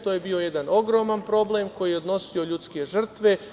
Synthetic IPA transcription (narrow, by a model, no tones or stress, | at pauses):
t̪oje̞biːo̞je̞d̪ano̞ɡɾo̞manpɾo̞blemko̞jijeo̞d̪no̞sio̞ʎuːt̪ske̞ʒr̩t̪ʋe̞